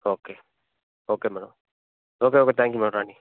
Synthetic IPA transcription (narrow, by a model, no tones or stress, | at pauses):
oːkeː | oːkeːmɛɽə̰m | oːkeoːket̪ʰɛ̃ŋkjumɛ̃ɾani